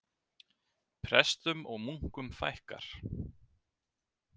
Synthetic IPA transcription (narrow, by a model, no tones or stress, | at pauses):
pʰɾɛst̪ʏmɔɣmuŋ̥kʏmfa̰jhka̰ɾ̥